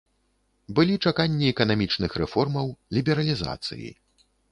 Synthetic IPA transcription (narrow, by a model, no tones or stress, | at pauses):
bɨlʲit͡ʂakanʲːiɛkɐnamʲit͡ʂnɨxɾɛfɔrmɐwlʲibʲɛɾɐlʲiza̰t̪sɨ̰jḭ